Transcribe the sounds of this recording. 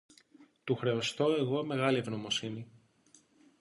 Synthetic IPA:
t̪uxɾe̞o̞st̪o̞e̞ɣo̞me̞ɣɐlie̞vno̞mo̞sini

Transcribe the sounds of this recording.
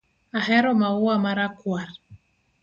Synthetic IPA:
aɦɛɾɔmauamaɾakwaɾ

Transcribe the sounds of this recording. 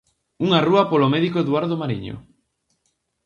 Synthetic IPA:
uŋaruɐpolomɛðikoeðwaɾðomaɾiɲo̰

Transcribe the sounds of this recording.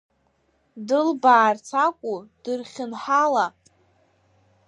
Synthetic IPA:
dɨlbaːrt͡sʰakʷʼud̥ɨrχʲɪnħala

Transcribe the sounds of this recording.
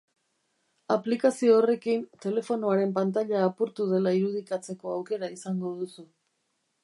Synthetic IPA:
aplikasio̞ːre̞kint̪e̞le̞fo̞noaɾe̞mpant̪aʎaːpuɾt̪uð̞e̞laiɾuð̞ikat͡se̞ko̞awke̞ɾaisaŋɡo̞ðusu

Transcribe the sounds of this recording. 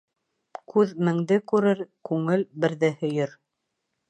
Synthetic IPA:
kʉðmɘ̆ŋd̪ɘkʉɾɘɾkʉŋɘlbɘ̆ɾðɘhɵ̆jɵɾ

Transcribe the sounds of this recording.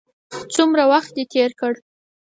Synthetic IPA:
t͡sumɾawaxt̪̚d̪et̪ʰeɾkəɽ

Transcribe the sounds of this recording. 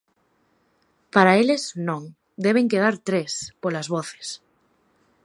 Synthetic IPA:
paɾaeleznõŋ | d̪eβ̞eŋkeðaɾt̪ɾespolazβɔθe̥s

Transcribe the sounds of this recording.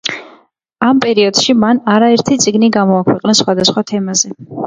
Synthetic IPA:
ampʼɛɾiɔd̪̥ʃimanaɾaɛɾt̪ʰit̪sʼiɡniɡamɔakʰwɛqʼnɛsχwad̪asχwat̪ʰɛmazɛ

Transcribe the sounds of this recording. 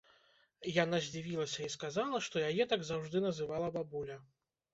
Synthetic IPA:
jan̪azʲd͡zʲivʲilˠɐsʲɐiskazalˠɐʂt̪ɔjajɛt̪aɡzawʐd̪ɨnɐzɨvalˠɐbabulʲɐ

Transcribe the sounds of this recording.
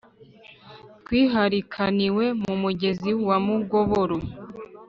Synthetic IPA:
tkwiːɦaɾikʰaniwe̞mumuɟe̞ziwamuɡo̞βoɾo

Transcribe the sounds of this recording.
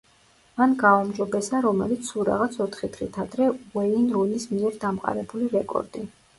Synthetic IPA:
manɡaumd͡ʒɔbɛsaɾɔmɛ̰lit̪sʰuɾa̰ʁat̪sʰɔt̪ʰχit̪χit̪ʰad̪ɾɛɛinɾunismiɛɾd̪amqʼa̰ɾɛbuliɾɛkʼɔ̰ɾd̪i

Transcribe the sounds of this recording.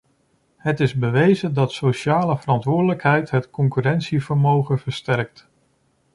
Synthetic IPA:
ɦətɪzbəʋejzədɑtsoʃaːləvərɑntʋʊːɹdələkɦɛjtɦətkɔŋkyɾɛnsivəɹmowχəvəɹstɛɹk̚t

